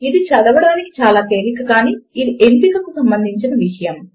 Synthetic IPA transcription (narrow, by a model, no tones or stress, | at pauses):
id̪it͡ʃɐd̪ɐʋɐɽaːniki̥t͡ʃaːlaːt̪eːɾikɐkaːniːid̪iʔempikɐkusɐmbɐnd̪ʱiɲt͡ʃinɐʋiʂɐjɐm